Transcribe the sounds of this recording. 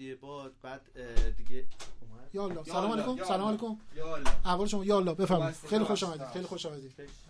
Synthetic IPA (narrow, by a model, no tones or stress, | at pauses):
bbd̪d̪i | jɒːlːɒːsælɒːmælejkʰomsælɒːmælejkomæhvɒːleʃomɒːjɒːlːɒːbe̞fæɾmɒid̪xejlixoʃɒːmæd̪iːd̪xejlixoʃɒːmæd̪iːd̪